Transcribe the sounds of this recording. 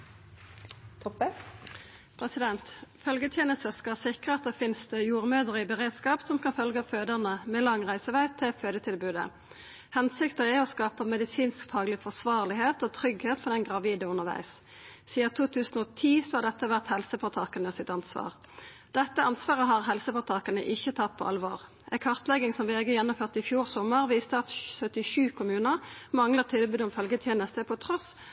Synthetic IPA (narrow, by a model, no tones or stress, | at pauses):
t̪ʰɔp | pʰɾɛsɪd̪ɛnt̪fœlɡət̪ʰjeːnəst̪əskɑsɪkʁəɑt̪̚d̪ɛfɪnsd̪əjuːʁmøːd̪əʁəɪbəʁeːd̪skɑːpsɔmkʰɑnfœlɡəɑføːd̪əʁnəmɛlɑŋʁæɪsəʋæɪt̪ʰɪføːd̪ət̪ʰɪlbʉːd̪ə̰ | hɛnsɪkt̪əæɔskɑːpəmɛd̪ɪsiːnskfɑːɡəlɪfɔʁsʋɑːʁlɪɦeːt̪oːt̪ʰʁʏɡheːt̪fɔd̪ɛnɡʁɑʋiːd̪əʊnːəʁʋæ̰ɪs | siːɑt̪ʰuːt̪ʰʉːsn̩oːt̪ʰiːsɔhɑʁd̪ɛt̪ːəʋæʁt̪hɛlsəfɔt̪ʰɑːkənəsɪt̪ɑnsʋɑ̰ːʁ | d̪̥ɛt̪ːəɑnsʋɑːʁəɦɑʁɦɛlsəfɔʁt̪ʰɑːkənə̰ʔɪçːət̪ʰɑt̪̚ːpʰɔ̰ʔɑ̰lʋo̰ːʁ | æ̰ɪkʰɑʁt̪lɛɡɪŋsɔmʋɛːɡəjɛnːʊmføːʁt̪əɪfjuːʁsɔmːəʁʋiːst̪əɑt̪sœt̪ɪʃʉːkʰʊmʉːnəʁmɑŋləʁt̪ʰɪlbʉːd̪ʊmfœlɡət̪ʰɛːnəst̪əpʰɔt̪ʰʁɔs